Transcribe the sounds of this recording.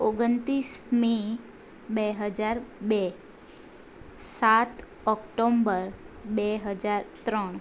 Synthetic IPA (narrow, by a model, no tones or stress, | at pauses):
oɡənt̪ɾismi | beɦəd͡ʒaɾbe | sat̪ | ɔkʈombəɾ | beɦəd͡ʒaɾt̪ɾəɳ̃